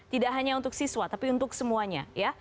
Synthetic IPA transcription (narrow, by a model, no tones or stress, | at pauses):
t̪idaʔɦaɲaunt̪ʊksiswat̪apiunt̪ʊksəmuaɲa̰ja